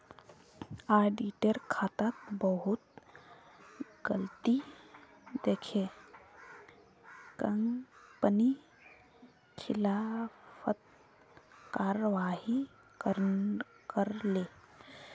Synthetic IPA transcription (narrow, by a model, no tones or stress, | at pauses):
aːɖiʈəɾkʰaːt̪ak̪bəɦʊt̪ | ɡəlt̪i | d̪eːkʰe | kəŋɡpəni | kʰɪlaːfʰət̪̚ | kaːɾəʋaːɦi | kəɾ | kəɾleː